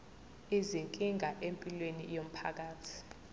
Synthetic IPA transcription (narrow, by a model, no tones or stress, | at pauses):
iziŋkʼiŋʱaʔempʼilwenḭjom̩pʰa̰k̬aːtʰi̥